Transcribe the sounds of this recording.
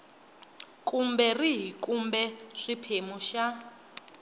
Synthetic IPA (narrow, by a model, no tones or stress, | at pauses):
kʼumbɛriɦikʼumbɛʂipʰemuʃa